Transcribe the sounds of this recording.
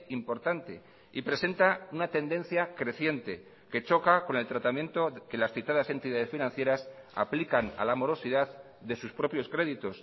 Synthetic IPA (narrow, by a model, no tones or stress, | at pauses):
impo̞ɾt̪ant̪e̞ | ipɾe̞se̞nt̪aunat̪e̞nd̪ẽ̞n̟θjakɾe̞θje̞nt̪e̞ | ke̞t͡ʃo̞kako̞ne̞lt̪ɾat̪amje̞nt̪o̞ke̞lasθit̪aðase̞nt̪iðað̞e̞sfinãnθje̞ɾasa̰plikana̰lamo̞ɾo̞siðað | ðe̞suspɾo̞pjo̞skɾe̞ðit̪o̞s